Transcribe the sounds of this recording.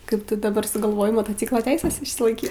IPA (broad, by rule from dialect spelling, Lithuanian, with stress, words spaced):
ˈkɐɪp ˈtʊ dɐˈbɐr sʊɡɐlˠˈʋoːjɛɪ moːtoːˈt͡sʲiːklˠoː ˈtʲɛɪsʲɛs ɪʃʲsʲɪlˠɐɪˈkʲiːt